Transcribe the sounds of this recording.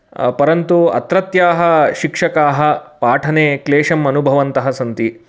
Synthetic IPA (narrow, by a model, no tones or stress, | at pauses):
pɐɾɐnt̪uɐ̰t̪ɾɐt̪jaːɦɐ̆ʃikʂɐkaːɦɐ̆paːʈʰɐneːkleːʂɐmɐnubʱɐʋɐnt̪ɐɦɐsɐnt̪i